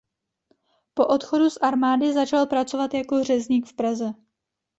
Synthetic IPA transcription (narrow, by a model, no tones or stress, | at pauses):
po̞ʔo̞t̪xo̞dusʔaɾmaːdɪzat͡ʃalpɾat͡so̞vat̪jako̞ɦr̝ɛzɲiːkfpɾazɛ